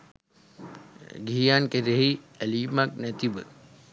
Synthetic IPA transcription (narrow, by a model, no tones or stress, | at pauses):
ɡʱijaːnkeɾeɦi | æliːmaknæt̪ibə